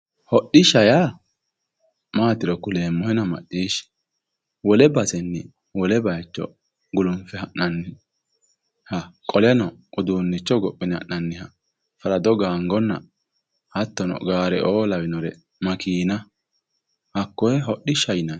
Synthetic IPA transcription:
hɔɗɪʃɐja | maːt̪ɪɾɔkʊleːmːɔhɛnɐmɐ̰ɗːiːʃ | wɔlɛbɐsɛnːɪ | wɔlɛbɐjt͡ʃːɔ̰ | ɡʊlʊmfɛhɐʔːɐnːɪ | hɐkʼɔlɛnɔʔʊd̪uːnːɪt͡ʃːɔɡɔpʼːɪnɪɐ̰ʔːɐnːɪhɐ | fɐlɐd̪ɔɡaːŋɡɔnːɐ̰ | hɐt̪ːɔnɔ̰ɡaːɾɛ̰ʔoːlɐwɪnɔɾɛ | mɐkʰiːnɐ | hɐkːɔjɛɦɔɗːɪʃɐjnɐ

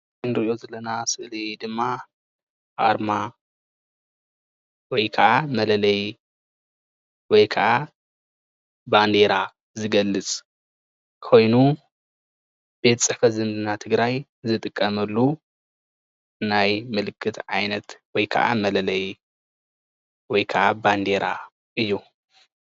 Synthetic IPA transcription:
ɨnɾʔiʔo̞zɐlɐnasɨʔlid̪ɨmːa | ʔa̰ɾma | wɔjkʰɐʔamɐlɐlɐj | wɔjkʰɐʔa | band̪e̞ɾa | zɨɡɐlːɨt͡sʼ | kʰo̞jnu | b̥e̞t̪t͡sʼɨħfɐt̪zɨnd̪ɨnat̪ʰɨɡɾaj | zɨt̪ʼɨkʼːɐmɐlːu | najmɨlɨkʰːɨt̪ʰʕajnɐt̪wɔjkʰɐ̰ʔa̰mɐlɐlɐj | wɔjkʰɐʔaband̪e̞ɾa | ʔɨjːu

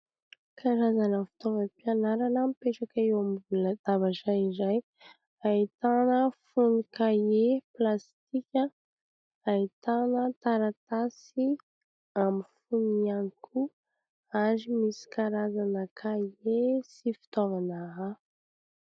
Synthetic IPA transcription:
kʰaɾazanəfi̥t̪ovapianaɾanəmipeʈ͡ʂakaewamvulad̪̥avaʈ͡ʂaizaj | ait̪anəfunikaeplast̪ikʲə | ait̪anət̪aɾat̪asi | amifunianikʰu | aɾimisi̥kaɾazanəkʰaesifi̥t̪ovanaɦa

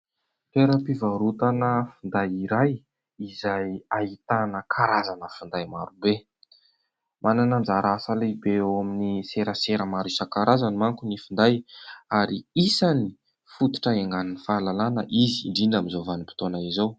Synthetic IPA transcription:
t̪eɾəpivaɾut̪anəfund̪ajiɾaj | izajait̪anəkʰaɾazanəfund̪ajma̰ɾube | mʔananand͡ʒaɾasalebewaminiseɾəseɾəmaɾisəkaɾazanimaŋkunifund̪ajaɾiisani | fut̪u̥ʈ͡ʂəeŋɡaninifalalanəʔizḭɳɖ͡ʐiɳɖ͡ʐamizovanipi̥t̪onaizaw

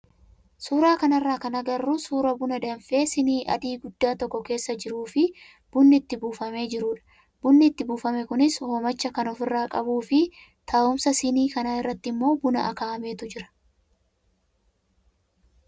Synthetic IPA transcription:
suːɾaːkɐnɐrːaːkɐnɐɡɐrːusuːɾɐbʊnɐd̪ɐnfe̞ːsɪniːʔɐ̰d̪iːɡʊd̪ːaːt̪ɔkːɔke̞ːsːɐd͡ʒɪɾuːfɪ | b̥ʊnːɪːt̪ːɪbuːfɐme̞ːd͡ʒɪɾʊːᶑɐ̥ | b̥ʊnːɪt̪ːɪbuːfɐmɛkʊnɪshomɐt͡ʃːɐkɐnɔfɪrːaːkʼɐbuːfɪ | t̪ʰaːʔʊmsɐsɪniːkɐnaːɪrːɐt̪ːɪmːo̞ːbʊnɐ̰ʔɐ̰kaːɐme̞ːt̪ʊd͡ʒɪɾɐ̥

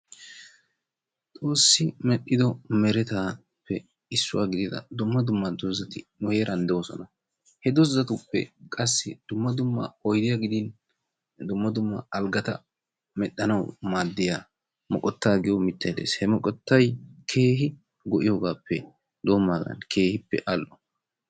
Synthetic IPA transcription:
t̪ʼo̞ːsːɪmɛɗːɪd̪ɔmɛɾɛt̪aː | pʰːɛ | ɪsːʊwa̰ːɡɪd̪ɪd̪ɐ̰d̪ʊmːɐd̪ʊmːɐd̪ɔzːɐt̪ɪnʊhe̞ːɾɐnd̪ɛwɔsɔ̰nɐ | hɛd̪ɔzːɐt̪ʊpːɛ̰kʼɐsːɪd̪̥ʊmːɐd̪ʊmːɐ̰ɔjd̪ɪjaɡɪd̪ɪn | d̪ʊmːɐd̪ʊmːɐ̰ɐlɡɐt̪ɐ̰ | mɛɗːɐnɐwmaːd̪ːɪjaː | mɔkʼɔt̪ːaːɡɪjɔmɪt̪ːɐjɛd̪ḛːshɛmɔkʼɔt̪ːɐjkʰe̞ːɦɪ | ɡɔʔɪjoːɡaːpːɛ | d̪oːmːaːɡɐ̰nkʰe̞ːhɪpːɛ̰ʔɐlːʔɔ

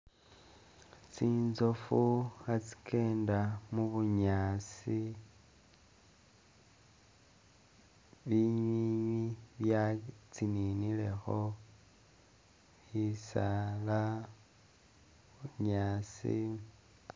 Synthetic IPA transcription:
t͡siːnzofuxat͡si̥kʰe̞ːndamuβuɲaːt͡si | βiɲiiɲwiβjat͡sininile̞xo̞ | isala | uɲaːt͡sḭ

